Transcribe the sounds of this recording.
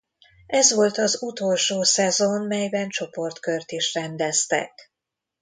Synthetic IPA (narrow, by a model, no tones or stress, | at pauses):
ɛzʋo̞lt̪ɒzut̪o̞lʃoːsɛzonmɛjbɛnt͡ʃo̞po̞rt̪kørt̪iʃrɛnd̪ɛst̪ɛ̰k